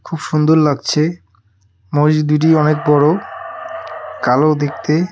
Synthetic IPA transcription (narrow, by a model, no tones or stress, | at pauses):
kʰubʃund̪oɾlaɡ̚t͡ɕʰe | mod͡ʑd̪uʈ̬iɔnek̚bɔɽo | kalod̪ek̚ʰt̪e